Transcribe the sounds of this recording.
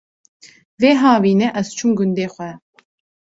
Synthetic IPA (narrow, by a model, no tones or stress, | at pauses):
veːɦɑːviːnɛʔɛz̥t͡ʃʰumɡʊnd̪eːxʷɛ